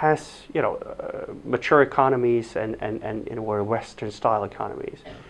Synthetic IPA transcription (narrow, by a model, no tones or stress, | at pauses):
hæz̥ | jɨnoʊ | mɨt͡ʃʰʊɹɨkʰɑnəmizɨ̃nɨ̃nɨ̃nɪ̰niwɛɹwɛstə̃˞nstaɪlˠɨkʰɑ̰nə̰mḭz̥